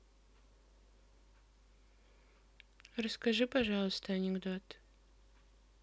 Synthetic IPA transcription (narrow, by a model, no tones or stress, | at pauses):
rɐskɐʒɨpɐʒalˠəst̪ʰɐanʲɪɡd̪ot̪